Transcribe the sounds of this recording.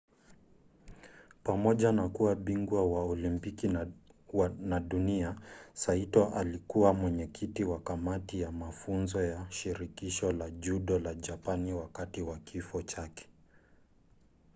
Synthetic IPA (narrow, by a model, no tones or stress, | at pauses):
pamɔʄanakuwaɓiŋɡwawaɔlimpiki | naɗuniasaitwaʔalikuwamwɛɲɛkʰitiwakamatijamafunzɔjaʃiɾikiʃɔlaʄuɗɔlaʄapaniwakatiwakifɔt͡ʃakɛ̥